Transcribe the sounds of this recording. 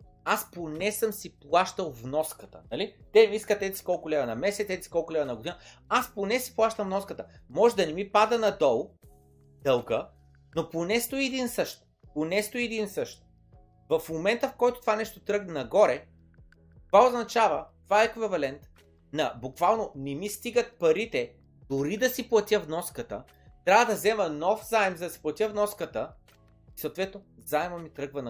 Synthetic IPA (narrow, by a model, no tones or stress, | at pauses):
asponɛsəmsiplˠaʃt̪əlˠvnɔskət̪ə̰nɐlit̪ɛmiiskət̪ɛsi̥kɔlˠkʊlʲɛvɐnɐmɛsɛt̪ɛsi̥kɔlˠkʊlʲɛvənɐɡʊd̪inəasponɛsi̥plˠaʃt̪ɐmvnɔskət̪əmɔʒɛd̪ɐnɛmipad̪ɐnɐd̪ɔlˠ | d̪̥əlˠɡə | noponɛst̪oiːd̪insɤʃt̪̚ | ponɛst̪oiɛd̪insɤʃt̪ | vɐfmomɛnt̪əfkɔjt̪o̥t̪ovanɛʃt̪ot̪ɾɤɡnɐnɐɡɔɾɛ | t̪ovaoznɐt͡ʃavət̪ovaɛɛkvɛvɐlɛnt̪ | nɐbukvalˠnonɛmist̪iɡət̪̚pɐɾit̪ɛ | d̪̥oɾid̪ɐsiplˠɐt̪ʲjəvnɔskət̪ə | t̪ɾʲavəd̪ɐzɛmɐnɔfzaɛmzɐd̪ɐsi̥plˠɐt̪ʲjəvnɔskət̪ə | isɐoːt̪vɛt̪nozzaɛmɐmit̪ɾɤɡvɐnɐ